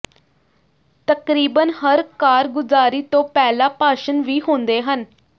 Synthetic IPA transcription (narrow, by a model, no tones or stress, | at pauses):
t̪əkɾiːbənhəɾkaːɾɡʊzaːɾiːt̪õːpɛːlaːpaːʃənʋiːɦõːnd̪eːɦən